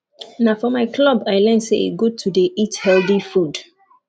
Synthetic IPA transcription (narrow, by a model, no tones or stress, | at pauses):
nafɔmaɪkʰlɔbaɪlɛnseḛɡotʰudeithɛldifud